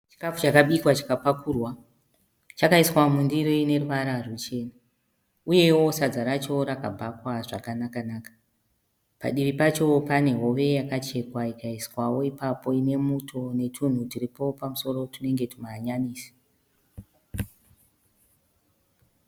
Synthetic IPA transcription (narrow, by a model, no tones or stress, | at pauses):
t͡ʃi̥kafut͡ʃakaɓikwat͡ʃakapakuːrwa | t͡ʃakaiswamundiɾiine̞ruʋaɾarut͡ʃe̞ːna | uje̞wo̞sad͡zaɾat͡ʃo̞ɾakabʱakwaʐakanakanaːkḁ | pa̰ɗiripat͡ʃo̞pane̞ɦo̞ʋe̞jakat͡ʃe̞kwaikaiswawo̞ipapo̞ine̞mutʰo̞ne̞tʰun̤utiripo̞pamuso̞ɾo̞tune̞ŋɡe̞tumaɲaniːsi̥